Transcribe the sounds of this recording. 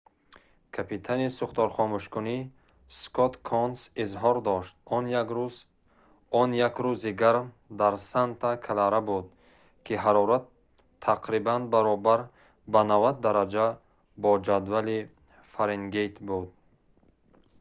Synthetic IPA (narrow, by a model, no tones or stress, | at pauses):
kʰapit̪ʰanisuχt̪ɔɾχɔmuʃkuni | skʰɔt̪kʰɔnsizɦɔɾd̪ɔʃt̪̚ | ɔnjakɾuziɡaɾm | d̪aɾsant̪ʰakʰalaɾabud̪̚ | kʰiɦaɾɔɾat̪ʰː | aqʰɾibanbaɾɔbaɾ | banavad̪̚ːaɾad͡ʒa | bɔd͡ʒad̪vali | faɾeŋɡejt̪ʰbud̪̚